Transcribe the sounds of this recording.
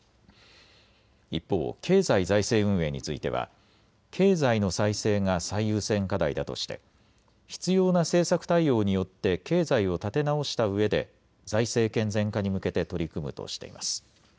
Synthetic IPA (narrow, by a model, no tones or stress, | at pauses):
ipːo̞̰ːkʰe̞ːzaizaise̞ːɯ̟̃ɰ̃e̞ːɲ̟ḭt͡sɨḭt̪e̞̰βa̰ | kʰe̞ːzaino̞saise̞ːŋasaijɯ̟ːsẽ̞ŋkad̪aid̪at̪o̞̰ɕi̥t̪e̞̰ | çi̥t͡sɨjo̞ːnase̞ːsakɯ̟̥t̪aijo̞ːɲ̟ijo̞t̪ːe̞ke̞ːzaio̞t̪at̪e̞nao̞ɕi̥t̪aɯ̟e̞d̪e̞̰ | zaise̞ːkẽ̞nzẽ̞ŋkaɲ̟imɯ̟ke̞t̪e̞t̪o̞ɾʲikɯ̟mɯ̟̰t̪o̞̰ɕi̥t̪e̞̰ḭma̰sɨ̥